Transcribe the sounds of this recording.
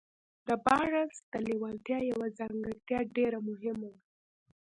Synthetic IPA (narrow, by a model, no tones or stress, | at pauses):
d̪əbɑɾasd̪̥əlewɑlt̪jɑjawazɑŋɡəɾt̪jɑɖeɾamʊɦɪmawa